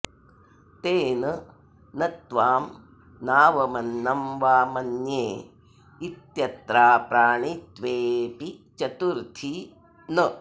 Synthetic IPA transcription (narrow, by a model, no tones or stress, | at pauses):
t̪eːnɐ | nɐt̪ʋaːm | naːʋɐmɐnːɐmʋaːmɐnjeː | it̪jɐt̪ɾaːpɾaːɳit̪ʋeːpit͡ʃɐt̪uɾt̪ʰi | nɐ